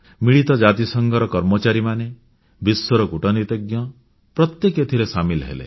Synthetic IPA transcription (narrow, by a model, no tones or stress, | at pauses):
miɭit̪ɔd͡ʒat̪isɔŋɡʱɔɾɔkɔɾmɔt͡ʃaɾimane | biswɔɾɔkuʈɔnit̪eɡjɔ | pɾɔt̪jeket̪ʰiɾesamilɦḛlḛ